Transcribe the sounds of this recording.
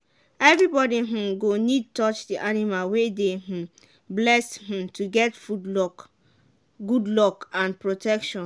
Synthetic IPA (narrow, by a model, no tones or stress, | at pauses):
ɛvɹibɔdiɦ̩ɡonid̚tɔt͡ʃdiʔanimalwedeɦ̩ | blɛsh̩tʰuɡɛtfudlɔk | ɡudlɔkãnpɹotʰɛkʃɔ̃n